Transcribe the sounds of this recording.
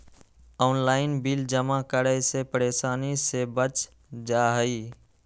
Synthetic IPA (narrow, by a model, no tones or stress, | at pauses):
ɔːnlaːɪnbild͡ʒəmakəɾəsepəɾeːsaːnisebət͡ʃ | d͡ʒaːɦəi